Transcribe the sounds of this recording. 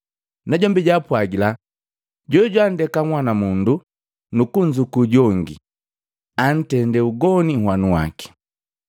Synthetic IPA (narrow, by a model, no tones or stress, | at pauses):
naɟɔmbiɟapwaɡila | ɟɔɟwan̩dɛkaŋwanamundu | nukuɲd͡ʒukuɟɔŋɡḭ | an̩tɛndɛuɡɔnihwanuwa̰ki̥